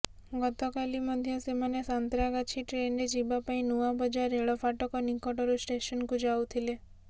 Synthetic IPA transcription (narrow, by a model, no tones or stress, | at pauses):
ɡɔt̪ɔkalimɔd̪ʱjəsemanesant̪ɾaɡat͡ʃʰiʈɾenɖed͡ʒibapaĩnuʋabəd͡ʒaɾeɭɔfaʈɔkɔnikɔʈɔɾusʈeʃənkũd͡ʒawt̪ʰile